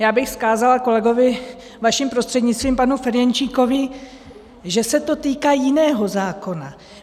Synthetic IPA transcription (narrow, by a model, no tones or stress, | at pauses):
jaːbɪxskaːzalako̞lɛɡo̞vɪ | vaʃimpɾo̞st̪r̥ɛdɲɪtt͡st̪viːmpanufɛɾjɛnt͡ʃiːko̞vɪ | ʒɛsɛt̪o̞t̪iːkaːjɪnɛːɦo̞zaːko̞na